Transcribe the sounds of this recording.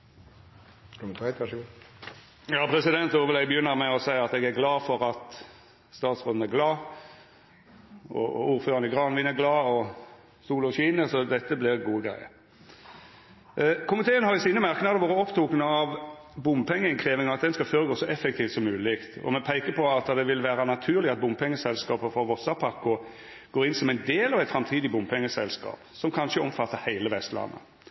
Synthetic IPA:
k̪ː | jɑːpʰɾɛsɪd̪ɛnt̪oːʋəlɛɡbəjʏnːəɾmɛɔsæɪɑt̪ɛɡæɾɡlɑːfɔʁɑt̪ | st̪ɑːt̪sʁoːd̪n̩æɾɡlɑː | ɔ̰uːɾføːɾʁɑnəɡʁɑːnʋɪnæɡlɑːɔ | suːləɔɕiːnəsɔd̪ɛt̪ːəblɪʁɡuːəɡʁæ̰ɪə̰ɾ | kʰʊmɪt̪ʰeːənhɑɾɪsiːnəmɑʁknɑːd̪əʋoːʁɾəɔpt̪ʰuːknəɑʋbʊmpʰɛŋːəɪnkʰʁeːʋɪŋɑʋɑt̪̚d̪ɛnskɑføːɾəɡoːsɔʔɛfːɛkt̪ʰiːft̪sɔmːʉːlɪkt̪ɔ̰mɛpʰæɪkəpʰɔɑt̪ːd̪ɛʋɪlʋæːɾɑnɑt̪ʰʉːɾlɪɡɑt̪̚bʊmpʰɛŋːəsɛlskɑːpəfɔɾʋɔsɑpʰɑkːʊ | ɡ̥oːɾɪnsɔmæɪnd̪eːlɑʋæɪt̪fɾɑmt̪ʰiːd̪ɪbʊmpʰɛŋːəsɛ̰lskɑ̰ːpsɔmkʰɑnʃəɔmfɑt̪ːəɾhæɪləʋɛst̪lɑ̰nːə̰

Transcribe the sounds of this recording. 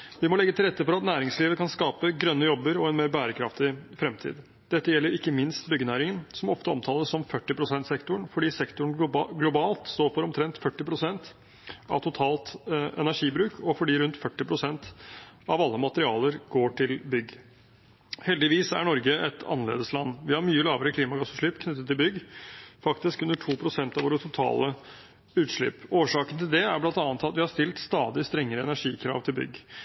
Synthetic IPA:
ʋɪmɔlɛɡːət̪ʰɪlɾɛt̪ːəfɔɾɑt̪næːɾɪŋsliːʋəkʰɑnskɑːpəɡɾœnːəjɔbːəɾɔɛnmeːɾbæːɾəkʰɾɑft̪ɪfɾɛmt̪ʰḭːd̪ | d̪̥ɛt̪ːəjɛlːəɾɪkːəmɪnst̪bʏɡːənæːɾɪŋənsɔmɔft̪əɔ̰mt̪ʰɑːləssɔmfœʈːɪpɾʊsɛnt̪sɛkt̪ʊɳfɔɖiːsɛkt̪ʊɳɡlʊbɑːlt̪st̪oːɾfɔɾɔmt̪ʰɾɛnt̪fœʈːɪpɾʊsɛnt̪ | ɑ̰ʋt̪ʰʊt̪ʰɑːlt̪ɛ̰næʂiːbɾʉːkʰɔfɔɖiːɾʉnt̪fœʈːɪpʰɾʊsɛnt̪ɑʋɑlːəmɑt̪əɾɪɑːləɾɡ̥oːʈʰɪlbʏɡ | hɛld̪ɪʋiːsæ̰ɳɔɾɡəʔɛt̪ʰɑ̰nːəlḛːd̪əslɑnːʋɪhɑɾmyːəlɑːʋəɾəkʰliːmɑɡɑsːʉʂɭɪpkʰnʏt̪ːət̪ʰːɪlbʏɡfɑkt̪ɪskʉnːəʈʰuːpʰɾʊsɛnt̪ɑʋoːɾət̪ʰʊt̪ʰɑ̰ːlə | ʉːt̪ʂɭɪ̰poːʂɑːkənt̪ʰɪld̪ɛæɾblɑnt̪ɑːnət̪ɑt̪ʋɪhɑɾst̪ɪlt̪st̪ɑːd̪ɪst̪ɾɛŋːəɾəɛnæʂiːkʰɾɑ̰ːʋt̪ʰɪlbʏ̰ɡː

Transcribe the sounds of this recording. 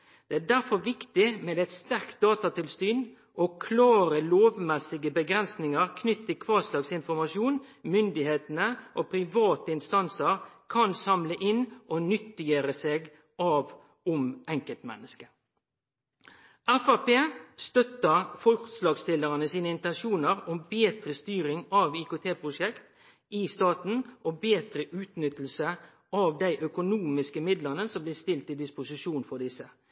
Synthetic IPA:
d̪̥ɛæd̪æʁfɔɾʋɪkt̪ɪmɛd̪æɪt̪st̪æʁkt̪̚d̪ɑːt̪ɑt̪ɪlsyːn | ʔɔkʰlɑːɾəloːʋmɛsɪɡəbəɡɾɛnsnɪŋəʁkʰnʏt̪ːəkʰʋɑːʁslɑːɡsɪnfɔɾmɑʃjuːnmʏnd̪ɪheːt̪ənəʔopʰɾɪʋɑːt̪əɪnst̪ɑnsəɾkʰɑnsɑmləʔɪnʔɔnʏt̪ːɪjøːɾəseːɡ | ɑʋ | ʊmɛŋkəlt̪mɛ̰nːəskə̥ | ʔɛfæpeːst̪œt̪ːəʁfɔlkslɑːɡst̪ɪləʁənəsiːnəɪnt̪ɛnʃuːnəɾɔmbeːt̪ɾəst̪yːɾɪŋɑʋiːkoːt̪ʰeːpʁʊʂɛkt̪ | ɪst̪ɑːt̪n̩ʔɔbeːt̪ɾəʔʉːt̪nʏt̪l̩sə | ɑʋd̪æɪʔœkʊnuːmɪskəmɪd̪ləʁnəsɔmblɪːst̪ɪlt̪ɪd̪ɪspʊsɪʃuːnfɔd̪ɪsə

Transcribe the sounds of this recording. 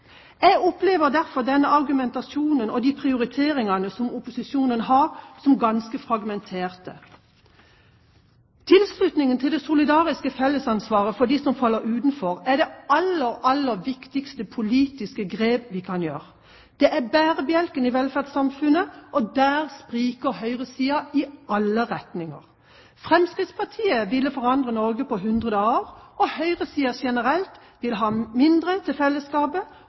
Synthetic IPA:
ɛɡɔpleːʋəʁd̪æʁfɔʁd̪ɛnːəʔɑʁɡʉmɛnt̪ɑsjuːnənɔd̪iːpʰʁɪʊɾɪt̪ʰeːʁɪŋɑnəsɔmʊpʊsɪsjuːnənɦɑːʁsɔmɡɑnskəfʁɑɡmɛnt̪ʰeːʁt̪ə | t̪ʰɪlslʉt̪nɪŋənt̪ʰɪld̪ɛsʊlɪd̪ɑːʁɪskəfɛlːəsɑnsʋɑːʁəfɔʁd̪iːsɔmfɑlːəɾʉːt̪n̩fɔʁæʁd̪ɛɑlːəɾɑlːəʋɪkt̪ɪkst̪əpʰʊliːt̪ɪskəɡʁeːbʋɪkʰɑnjøːʁ | d̪̥ɛʔæbæːʁəbjɛlkənɪʋɛlfæʁd̪sɑmfʉnəʔɔd̪æːʁspʁiːkəɾɦœʏʁəsiːɑɪɑlːəʁɛt̪nɪŋə̰ʁ | fʁɛmskʁɪt̪spʰɑʁt̪ʰiːəʋɪlːəfɔʁɑnd̪ʁənɔʁɡəpɔɦʉnd̪ʁəd̪əɑʁʔɔhœʏʁəsiːɑʃɛnəʁɛlt̪ | ʋɪlɦɑːmɪnd̪ʁət̪ʰɪlfɛlːəskɑːbə

